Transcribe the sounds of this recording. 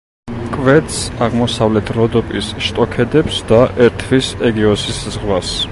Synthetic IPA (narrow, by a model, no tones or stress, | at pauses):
kʼvɛt̪saʁmɔsavlɛt̪ʰɾɔd̪ɔpʼisʃt̪ʼɔkʰɛd̪ɛpsd̪aʔɛɾt̪ʰvisɛɡiɔsiszʁvas